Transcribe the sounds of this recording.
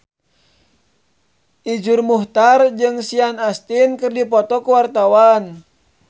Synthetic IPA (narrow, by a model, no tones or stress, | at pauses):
ʔid͡ʒurmuht̪ard͡ʒɨŋsianast̪inkɨrdipɔt̪ɔkuwart̪awan